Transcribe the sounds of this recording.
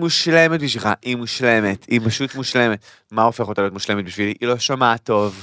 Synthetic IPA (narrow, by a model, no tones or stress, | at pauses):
muʃle̞met̚biʃvilχa̰ʔimuʃle̞metipaʃutmuʃle̞me̞t | maofeχotaliotmuʃle̞met̪̚biʃviliʔilo̞ʃomato̞v